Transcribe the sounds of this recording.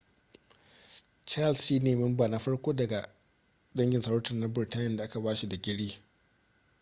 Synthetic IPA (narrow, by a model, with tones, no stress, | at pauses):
t͡ʃa˦˨lsʃiː˦neː˨mɪ˦mbaː˨na˦ɸɐ˦ɽkʷoː˦dɐ˨ɡa˨ | ɗɐ˦ŋɡʲɪ˨nsɐ˦wʊ˦tɐ˨na˦bɪ˨ɾta˦jɪ˦nda˨ʔa˦ka˨baː˦ʃi˦da˨ɡʲɪ˦ɽiː˦